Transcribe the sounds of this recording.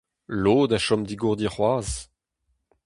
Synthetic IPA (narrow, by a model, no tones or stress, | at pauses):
loːd̪aʃɔmd̪iɡuʁd̪jiχwaːz